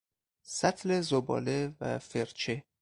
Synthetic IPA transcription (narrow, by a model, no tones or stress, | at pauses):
sæt̪ʰlezobɒ̰ːlevæ̰feɾt͡ʃʰe